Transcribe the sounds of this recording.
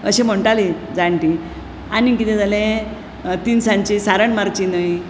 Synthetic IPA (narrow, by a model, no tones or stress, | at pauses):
ə̰ɕẽm̤əɳʈalid͡zaɳʈi | anikit̪ɛ̃d͡zalẽ | t̪insaɲt͡ɕisaɾəɳmaɾt͡ɕinəj